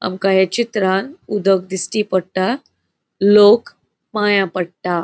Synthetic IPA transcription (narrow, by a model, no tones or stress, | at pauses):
a̰mkajet͡ɕit̪ɾanud̪ʱək̚d̪isʈipəɽt̪a | lok | majãpəɽta